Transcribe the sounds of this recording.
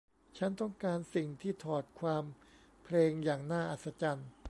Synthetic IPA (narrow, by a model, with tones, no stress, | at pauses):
t͡ɕʰa˦˥nt̪ɔ˥˩ŋkaː˧nsi˨˩ŋt̪ʰiː˥˩t̪ʰɔː˨˩t̪̚kʰwaː˧m | pʰleː˧ŋjaː˨˩ŋnaː˥˩ʔa˨˩t̪̚sa˧˥t͡ɕa˧n